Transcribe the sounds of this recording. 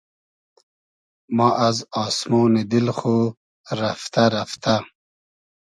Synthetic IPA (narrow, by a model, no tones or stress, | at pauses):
mɑːʔazɑːsmoːnid̪ilxo | ɾaft̪aɾaft̪a